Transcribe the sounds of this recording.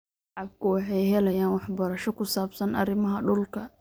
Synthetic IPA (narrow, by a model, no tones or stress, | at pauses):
ʕɑb̚kʰʊwɑħɑjɦɛlɐjaːnwɑħbɐɾɐʃɔkʰʊsaːbsɐnʔɐ̰rɪmɐɦɐɖʊlkʰɐ